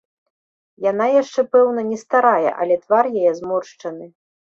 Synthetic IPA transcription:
jan̪ajaʂt͡ʂɛpɛwnɐnʲɛst̪aɾajɛ̰ʔɐ̰lʲɛt̪varjajɛzmɔrʂt͡ʂɐnɨ

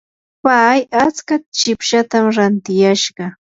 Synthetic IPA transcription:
pajat͡skat͡ʃɪpʃat̪amɾant̪ɪjaʃɢɑ

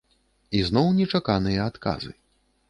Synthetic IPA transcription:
iznɔwnʲɛt͡ʂakanɨjɐat̪ka̰zɨ̰

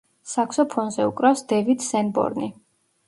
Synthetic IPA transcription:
sakʰsɔpʰɔnzɛukʼɾawsd̪ɛvid̪sɛnbɔ̰ɾni

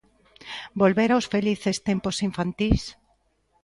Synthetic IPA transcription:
bolβeɾawsfeliθest̪emposiɱfãnt̪is

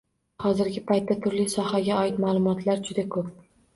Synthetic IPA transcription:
hɒzɪɾɡʲɪpʰajt̪ːat̪ʰʊɾlisɒhaɡʲaɒɪt̪maːlˠʊmɒt̪ʰlaɾd͡ʒʊd̪akʰɵp̚

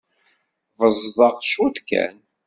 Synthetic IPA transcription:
vəzˤðˤɑʁʃuθkːæ̰n

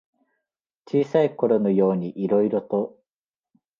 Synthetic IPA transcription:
t͡ɕiːsaiko̞ɾo̞no̞jo̞ːɲ̟iʔiɾo̞iɾo̞t̪o̞

